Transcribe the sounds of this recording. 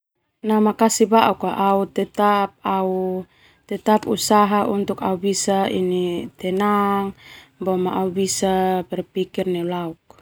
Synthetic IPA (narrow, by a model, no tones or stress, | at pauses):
namakasibaʔukaʔaut̪ɛt̪ap̚au | t̪ɛt̪apusaɦaʔunt̪uka̰ubisaḭnit̪ɛnaŋbɔmaʔaubisapɛrpikirnɛlauk̚